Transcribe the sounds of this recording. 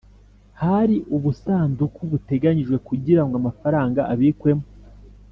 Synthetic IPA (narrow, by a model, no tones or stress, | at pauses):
haɾiʔuβusaːndukuβute̞ɡaɲiʒɡwe̞kuɟiɾaŋɡoamafaɾaːŋɡaʔaβikwe̞mo